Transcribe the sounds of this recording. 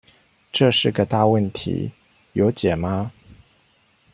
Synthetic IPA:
ʈ͡ʂɤ˥˧ʂɻ̩˥˩ɡə˨t̪a˥˧wə˥˩nt̪ʰḭ˧˥ | jo˧˥ʊt͡ɕjɛ˨˩ma˦

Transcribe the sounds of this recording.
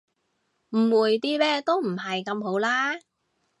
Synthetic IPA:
m̩˨˩wuː˨˩jt̪iː˥mɛː˥t̪o˥wm̩˨˩ɦɐ˨jkɐ˧mɦo˨˥wlaː˥

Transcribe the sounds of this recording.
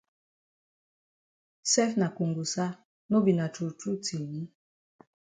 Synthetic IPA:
sɛ˦fna˨ku˨ŋɡu˨sa˦ | no˦bi˨na˨tu˨ɾtu˦ti˨ni˦

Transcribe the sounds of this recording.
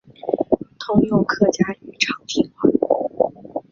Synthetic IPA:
t̪ʰʊ˥ŋjo˥˧˩kʰɤ˥˩t͡ɕja˥y˨˩ʈ͡ʂʰɑ˨˩ŋt̪ʰi˧˥ŋa˧˥˩

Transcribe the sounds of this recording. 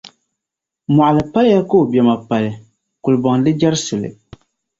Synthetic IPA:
mɔ˨ʔa˨lɨ˨pa˦lja˦ko˦o˨bjɛ˨ma˨pa˨lɨ˨ | ku˨lbɔ˨ŋdɨ˦d͡ʒa˦ɾsʊ˨lɨ̰˨

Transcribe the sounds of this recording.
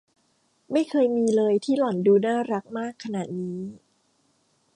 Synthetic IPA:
ma˥˩jkʰɤː˧jmiː˧lɤː˧jt̪ʰiː˥˩lɔ˨˩˦nduː˧naː˥˩ɾa˦˥k̚maː˥˩kʰːa˧na˨˩t̪̚niː˦˥

